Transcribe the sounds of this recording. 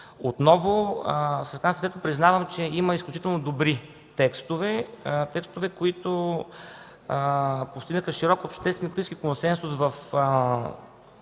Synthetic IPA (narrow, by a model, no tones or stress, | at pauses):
ot̪nɔvoskanst̪ɛt̪pɾiznavəmt͡ʃɛimɐisklʲut͡ʃit̪ɛlˠnod̪obɾi | t̪ɛkst̪ovɛt̪ɛkst̪ovɛkoit̪o | post̪iɡnəxəʃiɾɔkopʃt̪ɛst̪vɛnkɾt̪ĩskʲikonsɛnsʊsvɐf